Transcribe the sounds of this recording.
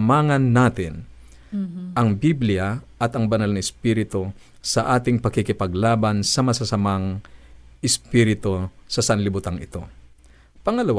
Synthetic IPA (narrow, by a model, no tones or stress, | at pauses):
maːŋɐnːaːt̪ɪn | ʔɐŋbiblɪjɐʔɐt̪ɐŋbɐnalnɐɪspiːɾɪt̪o̞ | sɐʔaːt̪ɪŋpɐkɪkɪpɐɡlaːbɐnsɐmɐsasɐmaŋ | ʔɪspiɾɪt̪o̞sɐsɐnlɪbʊt̪aŋɪt̪o̞̰ | pɐŋɐlɐw